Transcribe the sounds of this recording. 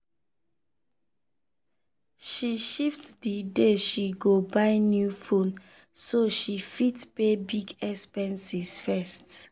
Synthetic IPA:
ʃiʃiftdideʃiɡobaɪnjufõn | soʃifitpebiɡɛkspɛ̃nsisfɛst

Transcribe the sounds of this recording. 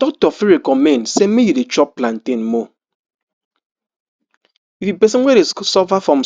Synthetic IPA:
tɔtɔfiɾekɔmensemijidet͡ʃɔpplan̩tenmo | ifibesieɾesɔfafɾɔm̩

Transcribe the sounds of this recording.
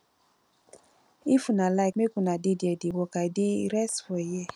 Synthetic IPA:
ifunalaɪkmekũnadidiɛdiwɔkaideiɾɛsfɔijɛ

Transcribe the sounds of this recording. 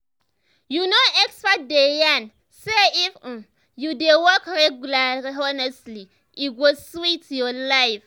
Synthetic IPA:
junoɛkspat̚dejan | seif̩ | judewɔkɹɛɡulaiɔnɛsli | ʔiɡoswitjɔlaɪf

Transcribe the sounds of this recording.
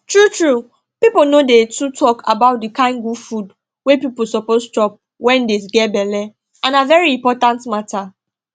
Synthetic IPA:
tɹutɹu | pipolnodetutʰɔkʰa̰baʊt̚dikãɪ̃nɡufud | wepiposɔpostɹɔp̚ | wɛ̃ndesɡɛbɛlɛ | ãnavɛɹiĩmpɔtãntmatʰa

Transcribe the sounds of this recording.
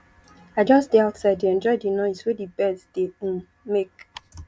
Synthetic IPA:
aɪd͡ʒɔsdeaʊtsaɪddiɛ̃nd͡ʒɔɪdinɔɪswedibɛdsd̥eũ | mek

